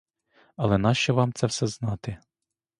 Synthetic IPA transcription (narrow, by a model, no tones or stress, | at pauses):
ɐlˠɛnɑʃt͡ʃɛʋɑmt̪sɛwsɛznɑt̪ɪ